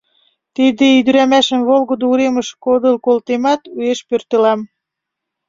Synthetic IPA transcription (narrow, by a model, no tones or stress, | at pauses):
t̪id̪eyd̪yɾæmæʃə̆mvolɣod̪ouɾemə̆ʃkod̪ə̆lkolt̪emɑt̪ueʃpørt̪ə̆lɑm